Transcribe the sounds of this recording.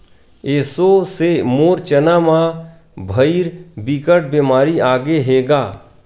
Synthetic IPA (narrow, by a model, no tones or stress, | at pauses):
eːsosemoːɾt͡ʃənamã | bʱəiɾbiːkəʈ̚beːmaːɾiaːɡeɦeːɡaː